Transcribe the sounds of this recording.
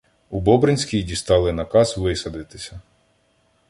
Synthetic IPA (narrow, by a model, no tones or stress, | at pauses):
ubɔbɾenʲsʲkʲijdʲist̪ɑlˠɪnɐkɑsʋɪsɐd̪ɪt̪ɪsʲɐ